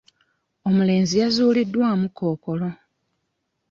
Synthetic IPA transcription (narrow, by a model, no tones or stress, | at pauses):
omule̞ːnzijazuːlidːwaːmukʰo̞ːko̞lo̞